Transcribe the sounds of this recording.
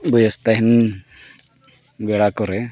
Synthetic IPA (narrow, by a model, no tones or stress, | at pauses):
bɔjɔst̪aɦin | bɛɽakɔɾɛ